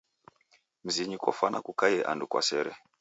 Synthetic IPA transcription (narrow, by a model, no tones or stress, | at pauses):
m̩ziɲikɔ̰fanakukajɛʔa̰ndukwa̰sɛɾɛ